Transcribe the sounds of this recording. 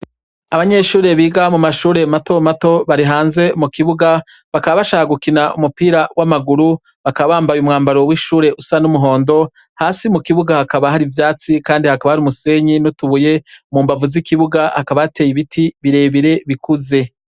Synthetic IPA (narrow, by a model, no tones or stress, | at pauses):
aβaɲe̞ʃuːɾe̞βiːɡamumaʃuːɾe̞mato̞mato̞βaɾiɦaːnze̞mukiβuɡa | βakaβaβaʃaːhaɡukinaṵmupiːɾawʔamaɡuɾu | βakaβaβaːmbajumŋaːmbaɾo̞wiʃuːɾe̞ʔusanumuɦo̞ːndo̞ | haːsimukiβuɡahakaβaɦaɾivjaːt͡sikaːndihakaβahaɾiumuse̞ɲinutuβuje̞muːmbavuzikiβuɡahakaβajate̞ːjiβitʰiβiɾe̞ːβiɾe̞βikuze̞